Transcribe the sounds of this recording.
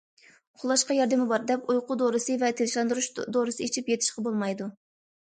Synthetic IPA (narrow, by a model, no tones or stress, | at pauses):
χʰʊlˠɑʃqɑjɑɾd̪ɨmɪbɑɾd̪ɛpujqʊd̪oɾɨsɨvɛt̪ʰelɪʃlˠɑnd̪uɾuʃd̪oɾɨsɨit͡ʃʰipjet̪ʰɪ̥ʃqɑbolˠmɑjd̪u